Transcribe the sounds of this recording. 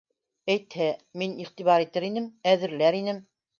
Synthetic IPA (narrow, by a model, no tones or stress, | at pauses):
æjt̪hæminiχt̪iβɑɾit̪ɘɾinɘmæðɘ̆ɾlæɾinɘm